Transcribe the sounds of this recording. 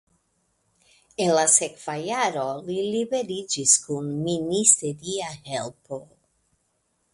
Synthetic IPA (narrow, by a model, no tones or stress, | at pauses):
enlasekfajaɾolilibeɾid͡ʒiskunminist̪eɾiahelpo